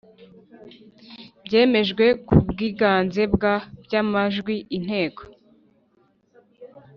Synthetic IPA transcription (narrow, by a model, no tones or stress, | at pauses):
bje̞ːme̞ʒɡwe̞kubɡiːɡaːnze̞bɡabjamaʒɡwiʔin̥he̞ːko̥